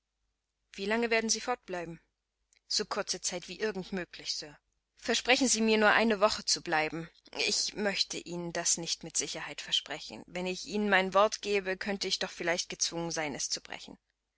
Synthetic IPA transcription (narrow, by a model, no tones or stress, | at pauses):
v̥iːlaŋəveːɐdn̩ziːfɔɐt̚b̥laɪbm̩ | z̥oːkʰʊɐt͡sət͡saɪtv̥iːʔɪɐɡŋ̩tmøːklɪçsøːɐ | fɛɐʃpʁ̥ɛçn̩ziːmiːɐnuːɐʔaɪnəvɔχət͡sublaɪbm̩ɪçmœçtʰə̰ʔiːnəndasnɪçtmɪtz̥ɪçɐhaɪtfɛɐʃpʁ̥ɛçn̩vɛnɪçʔiːnənmaɪnvɔɐtɡ̥eːbəkʰœntəɪçd̥ɔχfɪlaɪçt̚ɡ̥ət͡sv̥ʊŋənzaɪnɛst͡sub̥ʁɛ̰çn̩